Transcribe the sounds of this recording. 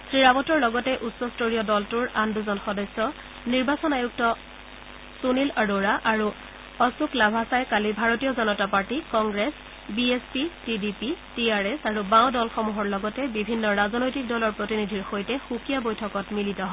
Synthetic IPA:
sɹiɹapɔtɔɹlɔɡɔtɛʔutsɔstoɹijɔdɔltuɹanduzɔnxɔdɔsːɔ | niɹbasɔnajuk̚tɔ | sunilaɹoɹaʔaɹu | ɔsuklabʱasajkalibʱaɹotijɔzɔnɔtapaɹtikɔŋɡɹes | biespitidipitiaɹɛsaɹubaw̃dɔlxɔmuɦɔɹlɔɡɔtɛbibʱinːɔɹazɔnojtik̚dɔlɔɹpɹotinidʱiɹxojtɛxukijabojtʰɔkɔtmilitɔɦɔ

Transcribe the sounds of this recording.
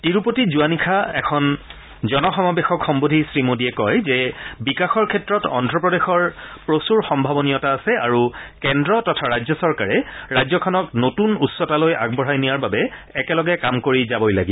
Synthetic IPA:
tiɹupotizuanikʰaɛkʰɔn | zɔnɔxɔmabexɔkxɔmbodʱisɹimodiɛkɔjzɛbikaxɔɹkʰɛtɹɔtɔ̰ndɹɔpɹɔdexɔɹpɹosuɹxɔmbʱabɔnijɔtaːsɛaɹukɛndɹɔtɔtʰaɹajzɔsɔɹkaɹɛɹajzɔkʰɔnɔknotunutsɔtaloja̰ɡ̚bɔɹajnijaɹbabɛːkɛlɔɡɛkamkoɹizabɔjlaɡi

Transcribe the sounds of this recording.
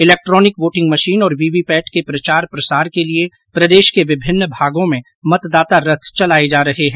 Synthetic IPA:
ɪlɛːk̚ʈɾɔːnɪkʋoːʈɪ̃ŋɡmɐʃiːnɔːɾʋiːʋipɛːʈkepɾɐt͡ʃaːɾpɾɐsaːɾkelie | pɾɐd̪eːʃkeʋɪbʱɪnːəbʱaːɡõmẽ | mɐt̪d̪aːt̪aɾɐt̪ʰt͡ʃɐlaːed͡ʒaːɾɐɦeɦɛ̃ː

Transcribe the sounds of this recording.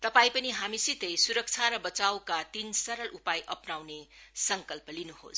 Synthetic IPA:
t̪ɐpajpɐniɦamisit̪ejsuɾʌk̚t͡ʃʰaɾɐbʌt͡ʃawkat̪insɐɾɐlʔupajʔɐpnawnesʌŋkʌlpʌlinuho̰s

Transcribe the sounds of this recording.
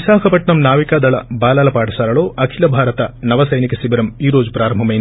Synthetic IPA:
saːkʰɐpɐʈɳɐmnaːʋikaːd̪ɐɭɐ̰baːlaːlɐpaːʈʰɐsaːɾɐɭoːʔɐkʰilɐbʱaːɾɐt̪ɐnɐʋɐsɐjnikesibɐɾɐmiːɾoːd͡ʒupɾaːɾɐmbʱɐmɐj

